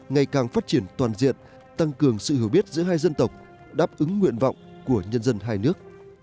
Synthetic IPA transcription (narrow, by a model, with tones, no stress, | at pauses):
ŋa˨˩jkaː˨˩ŋfaː˦˥t̚t͡ɕi˧˩ənt̪waː˨˩nzḭ˧˨ən | t̪a˧ŋkɨ˨˩əŋsɨ̰˧˨hi˧˩əwɓi˦˥ət̚zɨ̰˧˥ɦaː˧jzə˧nt̪ə˨˩wk͡p̚ | ɗaː˦˥p̚ʔɨ˨˦ŋːwḭ˧˨ənvɔ̰˧˨wŋ͡mku˧˩əɲə˧nzə˧nɦaː˧jnɨ˦˥ək̚